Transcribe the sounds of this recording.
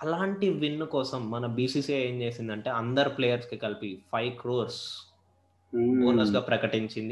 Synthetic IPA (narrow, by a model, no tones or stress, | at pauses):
ɐlaːɳʈiʋinːukɔːsɐmːɐnɐbiːsiːseːɲt͡ʃe̞ːsind̪ɐɳʈe̞ːɐnd̪ɐɾupleːjɐɾskikɐlpipʰɐjʋkɾoːɾs | oːnɐsɡaːpɾɐkɐʈiɲt͡ʃind̪i